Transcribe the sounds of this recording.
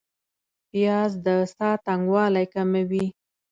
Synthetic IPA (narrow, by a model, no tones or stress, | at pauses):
pijɑzd̪əsɑt̪aŋɡwɑlajkamawi